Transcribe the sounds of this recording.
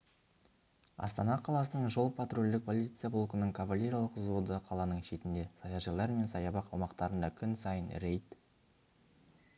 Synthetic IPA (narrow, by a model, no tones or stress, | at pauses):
ɑ̰st̪ɑnɑqʰɑlˠɑsənəɴʒo̞lˠpʰat̪rolʲd̪ɪk̚pʰo̞lˠit̪sɨjablˠokənəɴkʰavalʲːe̞ɾijalˠəqzo̞d̪əqʰɑlˠɑnəɴʃe̞t̪ɪnd̪e̞sɑjɑʒɑlˠɑɾme̞nsɑjɑbɑqɑwmɑqt̪ɑɾənd̪ɑkʲʰʏnsɑjənɾe̞jt̪